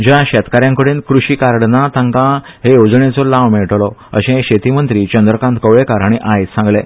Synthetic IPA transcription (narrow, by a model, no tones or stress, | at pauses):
d͡ʑjãɕɛt̪kaɾjãŋkəɽenkɾuɕiːkaɾɽnat̪ãŋkã | ɦejod͡zɳet͡sɔlaʋmɛɭʈlɔə̰ɕẽɦɕet̪imənt̪ɾit͡ɕənd̪ɾəkãnt̪kəʋɭekaɾaɽ̃iʔajt̪sãŋɡle